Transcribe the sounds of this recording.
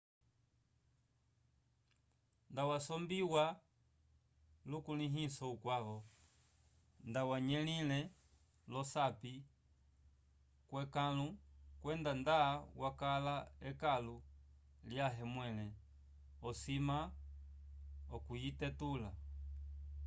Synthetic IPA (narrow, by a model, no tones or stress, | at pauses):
ndawasɔmbiwa | lukuliɦisɔukwaβɔ | ndawaɲɛlilɛ | lɔsapi | kwɛkalukwɛndandaːwakalaɛkalu | ljaɦɛmwɛlɛ | ɔsima | ɔkujitɛtula